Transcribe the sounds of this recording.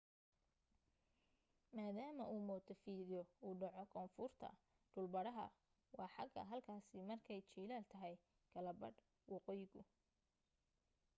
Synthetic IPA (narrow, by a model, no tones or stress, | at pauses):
maːðaːmɐʔuːmɔːd̪ʰɔfiːðɪjɔuːɖɑʕɔkʰɔːnfʊrt̪ʰɐ̰ | ɖ̥ʊlbɐɽɐɦɐ̰ | wɑːħɑɡʰɐ̰ɦɐlkʰaːsɪmɐrkʰɛjt͡ʃiːlaːlt̪ʰɐɦɛj | kʰɐlɐbɐɖ | wɑqɔːjɪɣʊ